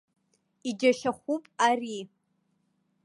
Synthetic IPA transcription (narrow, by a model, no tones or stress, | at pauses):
id͡ʒaʃaχʷupʼari